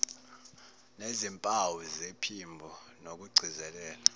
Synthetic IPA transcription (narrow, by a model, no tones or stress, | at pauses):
nezimpʼawuzepʰimbʱɔnok̬uɡ͡ǀʱizɛlɛːla